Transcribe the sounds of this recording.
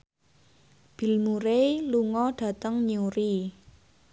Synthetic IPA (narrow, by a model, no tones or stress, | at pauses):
b̥i̤lmuɾeluŋɔɖ̥ä̤t̪əŋɲuɾi